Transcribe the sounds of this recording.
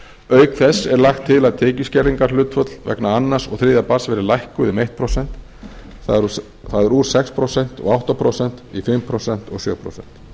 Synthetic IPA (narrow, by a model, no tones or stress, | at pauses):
œːɥkθɛsːɛɾlaxt̪ʰːɪlaðt̪ʰɛːciscɛɾðiŋkaɾ̥lʏːt̪fœt̪lvɛ̰knaanːaɾsɔ̰ɣθɾɪːðapasvɛɾɪlajhkʏðɪmejht̪̚pʰɾowsɛn̥t̪ | θa | θaðɛɾuːɾ̥sɛkspʰɾosɛn̥t̪ɔ̰ɣawht̪apʰɾowsɛnt̪ifɪmːpʰɾɔsɛn̥t̪ɔɣsjœːɣpʰɾo̰wsɛ̰n̥t̪